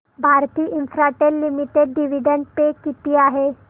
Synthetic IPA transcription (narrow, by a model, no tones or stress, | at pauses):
bʱaɾt̪iːʔinfɾaʈelːimiʈeɖɖiʋiɖəɳɖ̚pekit̪iːaɦe